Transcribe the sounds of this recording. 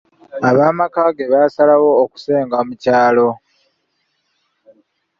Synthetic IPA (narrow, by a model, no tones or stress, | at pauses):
aβaːmakaːɡe̞βasalawo̞ːku̥se̞ːŋɡamucaːlo̞